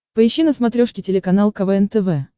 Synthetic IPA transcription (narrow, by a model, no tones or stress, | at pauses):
pəɪɕːinəsmɐt̪ɾʲoʂkʲɪtʲɪlʲɪkɐnalˠkɐvɛɛnt̪ɛvɛ